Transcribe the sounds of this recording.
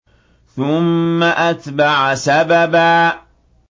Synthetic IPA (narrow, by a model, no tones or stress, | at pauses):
θʊmːaʔat̪baʕasababaː